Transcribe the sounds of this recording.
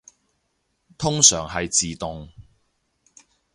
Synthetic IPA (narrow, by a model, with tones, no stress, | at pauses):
t̪ʰʊ˥ŋsœː˨˩ŋɦɐ˨jt͡siː˨t̪ʊ˨ŋ